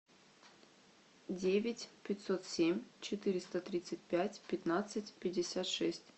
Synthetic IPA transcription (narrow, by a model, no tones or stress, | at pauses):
dʲevʲɪtʲpʲɪt̪ʲsot̪sʲemʲt͡ɕɪt̪ɨɾʲɪst̪ət̪ɾʲit̪sɨtʲpʲætʲpʲɪt̪nat̪sɨtʲpʲɪdʲːɪsʲat̪ʂɛsʲtʲ